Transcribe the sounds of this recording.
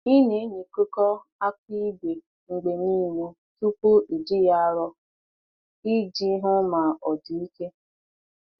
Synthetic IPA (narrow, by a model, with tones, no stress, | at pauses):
i˦ne˨˦ɲi˨ku˦kɔ˦ | a˦kʷi˦be˨ | ŋ͡m̩˨ɡ͡be˨ni˦mu˦ | tu˦po˦ʔi˨dɪ˦ja˦ɾɔ˦ | i˦d͡ʒi˦ɦʊ˦ma˨ɔ˨di˨i˦ke˦